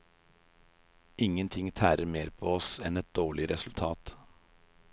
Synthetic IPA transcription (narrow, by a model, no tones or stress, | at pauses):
ʔɪŋənt̪ʰɪŋt̪ʰæːɾəɾmeːɾpʰoːɔsɛnɛt̪̚d̪̥oːɭɪɾɛsʉlt̪ʰɑːt̪